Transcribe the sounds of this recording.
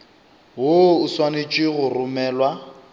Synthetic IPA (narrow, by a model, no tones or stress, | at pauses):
ɦoʊswanet͡ʃʼwɪɣʊrʊmɛːlwa